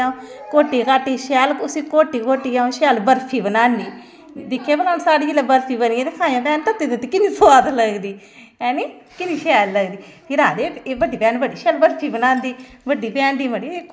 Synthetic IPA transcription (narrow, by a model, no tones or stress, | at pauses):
ãːkoːʈiːkaːʈiːʃɛːlʊsĩːkoːʈiːkoːʈiːãːʃɛːlbəɾpʰiːbənaːniː | d̪ɪkʰːeːbənaːnsaːɽiːd͡ʒiːleːbəɾpʰiːbəniɛ̃ːt̪ekʰaːjãːt̪ɛːnt̪ət̪ːiːt̪ət̪ːiːkɪniːsoʋaːt̪ləɡd̪iː | ɛːniː | kɪniːʃɛːlːəɡd̪iːpʰɪɾãːd̪eːeːʋəɖiːpɛ̃ːnʋəɖiːʃɛːlbəɾpʰiːbənãːnd̪iː | ʋəɖiːpɛ̃ːnd̪iːməɽiːeː